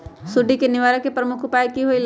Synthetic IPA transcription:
sʊɖikenɪʋaːɾəkːepɾəmʊkʰʊpaːikiɦoil

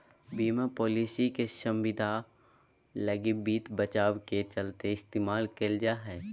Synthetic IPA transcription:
biːmapɔːliːsikeʃə̃mʋɪd̪ʱa | ləɡɪbiːt̪bət͡ʃaːwket͡ʃəlt̪eɪst̪eːmaːlkeld͡ʒaɦɛː

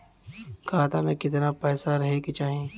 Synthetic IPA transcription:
kʰaːt̪amẽkɪt̪napɛːsaɾɐɦekit͡ʃaːɦẽː

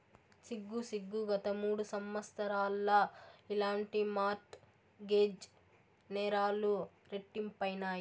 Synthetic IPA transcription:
siɡːusiɡːuɡɐt̪ɐmuːɽusɐmʋɐst̪ʰɐɾaːlːɐilaːɳʈimaːʈ | ɡeːd͡ʒ | nɛːɾaːlu | ɾeʈːimpɐjnaːji

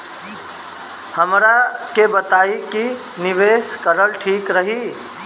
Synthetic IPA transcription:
həmɾakebət̪aiki | niʋeskəɾəlʈʰiːkɾəɦi

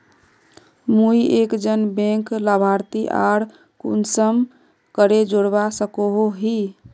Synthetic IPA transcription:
muiekd͡ʒənbẽŋkləbʱaɾt̪iʔa̰ɽ | kṵnsəm | kəɾed͡ʒoɽbasəkoɦoɦi

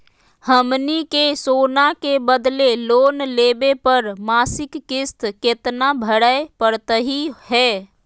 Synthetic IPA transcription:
həmnikesoːnakebəd̪leloːnleːbepəɾmaːsɪkːɪst̪kɪt̪nabʱəɽəepəɾt̪əɦihɛː

